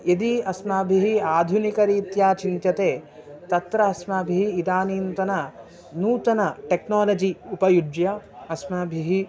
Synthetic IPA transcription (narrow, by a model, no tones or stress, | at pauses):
ed̪iɐsmaːbʱiɦiaːd̪ʱunikɐɾiːt̪jaːt͡ʃint͡ʃɐt̪eːt̪ɐt̪ɾɐɐsmaːbʱiɦiːd̪aːniːnt̪ɐnɐ | nuːt̪ɐnɐʈeknaːlɐd͡ʒiupɐjud͡ʒjɐɐsmɐbʱiɦi